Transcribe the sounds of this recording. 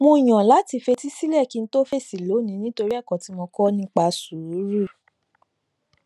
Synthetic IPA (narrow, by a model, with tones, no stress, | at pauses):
mũ˧˦i˨j̃ɔ̃˨la˨˦ti˧fe˧ti˦si˦lɛ˦˨ki˧n̩˦to˦fe˦˨si˨lo˨˦nĩ˨˦nĩ˦to˧ɾi˦a˦˨kɔ̃˨ti˨˦mɔ̃˧kɔ˦nĩ˦k͡pa˧su˨˦ɾu˦˨